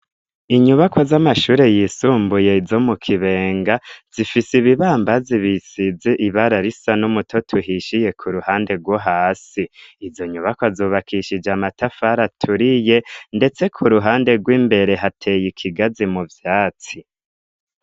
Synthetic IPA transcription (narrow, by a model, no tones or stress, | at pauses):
iɲuβakʰozamaʃuːɾe̞jiːsuːmbuje̞izo̞mukʰiβe̞ːŋɡaz̥ifisiβiβaːmbaziβisizeʔiβaɾaɾisanumutʰo̞tʰuɦiʃije̞kʰuɾuhaːnde̞ɡwoɦaːsiːzo̞ɲuβakwazuːβakʰiʃid͡ʒamatafaɾatʰuɾije̞nde̞t͡se̞kʰuɾuɦaːnde̞ɡwiːmbe̞ɾe̞ɦatʰe̞jikʰiɡazimuvjaːt͡si